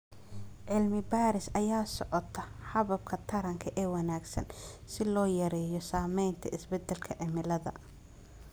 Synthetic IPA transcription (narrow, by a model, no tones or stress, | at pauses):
ʕɪlmɪbaːɾɪsɐjaːsɔʕɔt̪ʰɐħɑβɐb̚kʰɐt̪ʰɐɾɐŋkʰɐʔɛːwɐnaːɡsɐ̰nsɪlɔːjɐɾɛːjɔsaːmɛjnt̪ʰɐ̰ɪsbɛd̪ːɛlkʰɐʕɪmɪlɐðɐ̰